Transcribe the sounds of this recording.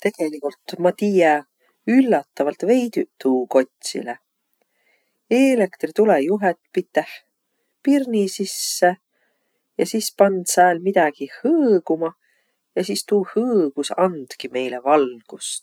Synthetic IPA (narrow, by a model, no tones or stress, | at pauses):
t̪e̞ɡ̥e̞likult̪ːmɑt̪iːje | ylːɑt̪ˑːɑvɑlt̪ve̞jd̪̥yt̪uːko̞t̪ʲsḭle | eːle̞kt̪rit̪ulejuɦet̪ːˑpit̪ːˑeh | pirnisisːe | jɑsispɑnd̪̥sæːlmid̪̥æɡ̥ihɤːɡ̥umɑ | jɑsiːst̪uːhɤːɡ̥usɑnd̪̥kime̞jlevɑlɡ̥ust